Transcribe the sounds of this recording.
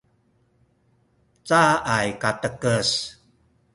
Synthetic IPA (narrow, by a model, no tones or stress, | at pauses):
t͡saʔajkatəkəs